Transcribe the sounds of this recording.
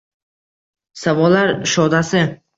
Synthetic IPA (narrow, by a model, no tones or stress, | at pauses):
savɒlːaɾʃɒd̪asɪ